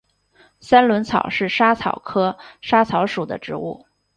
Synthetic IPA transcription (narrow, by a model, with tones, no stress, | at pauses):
sa˥nlwə˧˥nt͡sʰɑ̰˨˩ʊʂɻ̩˥˩ʂa˥t͡sʰɑ̰˨˩ʊkʰɤ˥ʂa˥t͡sʰɑ˧˥ʊʂu˨˩d̪ə̰˦ʈ͡ʂɻ̩˧˥ṵ˥˩